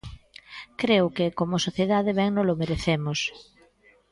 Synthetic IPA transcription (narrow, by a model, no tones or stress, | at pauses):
kɾewkɪkomʊsoθjeðaðɪβɛŋnolomeɾeθemʊs